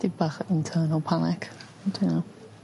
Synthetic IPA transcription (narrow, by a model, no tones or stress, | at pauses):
d̥ibaχɪntʰəːnəlˠpʰanɛk | ntʰina